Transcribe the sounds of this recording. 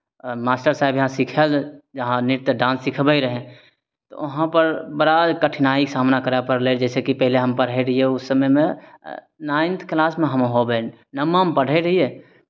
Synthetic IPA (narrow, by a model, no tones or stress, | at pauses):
maːsʈəɾsaːɪbjɦãsikʰeld͡ʒɐɦãnɪɾt̪jəɖãːnsːɪkʰbəiɾəɦẽ | t̪o̰ʋɐɦãpəɾbɐɾakəʈʰnaːiksaːmnakəɾapəɾled͡ʒɛːsekipɛɦɪleɦəmpəɽɦeɾɐɦieʊsːəməmẽ | naːɪ̃nt̪ʰklaːsmẽɦəmɦoben | nəmːampəɽ̤eɾəɦie